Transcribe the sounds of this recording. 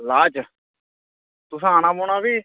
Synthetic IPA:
laːt͡ʃ | t̪ʊsãːnãːboːɳaːbiː

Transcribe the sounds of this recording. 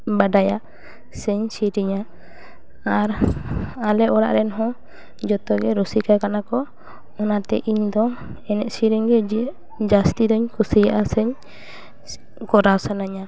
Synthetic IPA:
badajaʔ | sɛɲsiɾiɲa | aɾ | alɛɔɽa̰ʔɾɛnɦɔ̃ | d͡ʒɔt̪ɔɡɛɾɔsikakanakɔ | ɔnat̪ɛ̰ʔiɲd̪ɔ | ɛnɛʔ̪siɾiŋɡɛd͡ʒi | d͡ʒast̪id̪ɔɲkusijaʔasɛɲ | kɔɾawsanaɲa

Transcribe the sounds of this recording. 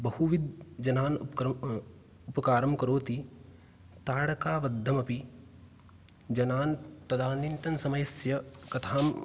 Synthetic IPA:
bɐhuʋid̪̚d͡ʒɐnaːnkɾ | ʊpɐkaːɾɐmkɐɾoːt̪i | t̪aːɽɐkaːʋɐd̪ʱːɐmɐpi | d͡ʒɐnaːnpɾɐd̪aːninʈ̪ɐnsɐmɐjsjɐkɐt̪ʰaːm

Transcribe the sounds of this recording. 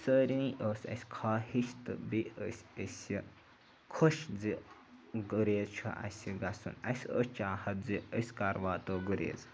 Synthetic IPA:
səːɾiniʔoːsʲɐ̰sʲkʰaːhiʃt̪ɨbiəsʲəsi | kʰoʃd͡zi | ɡuɾeːzt͡ʃʰṵʔɐ̰sʲiɡasṵnɐsʲə̰ːst͡ʃaːhɐt̪̚ziəsʲkaɾʋaːt̪oːɡuɾḛːz

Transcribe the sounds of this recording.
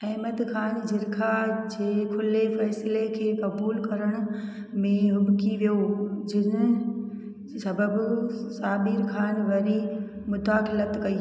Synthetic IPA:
ɐɦməd̪kʰaːnd͡ʑɪɾkʰad͡ʑeːkʰʊlefɛːslekʰeːkɐbuːlkɐɾəɽ̃ | mẽɦʊbkiʋijod͡ʑɪnə | sɐbəbsaːbiɾkʰaːnʋɐɾi | mʊt̪aːxɪlət̪kɐi

